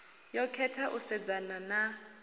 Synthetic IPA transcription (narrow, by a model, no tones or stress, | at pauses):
jɔkʰɛtʰaʔusɛd͡zanana